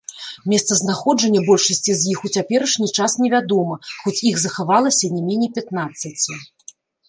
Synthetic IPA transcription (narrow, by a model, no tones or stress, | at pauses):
mʲɛst̪sɐznaxɔd͡ʐɐnʲːɐbɔlʲʂɐsʲt͡sʲizʲjixut͡sʲapʲɛɾɐʂnʲit͡ʂasnʲɛvʲad̪ɔmɐxɔt͡sʲixzɐxavalˠɐsʲɐnʲɛmʲenʲijpʲat̪nat̪sːɐt͡sʲi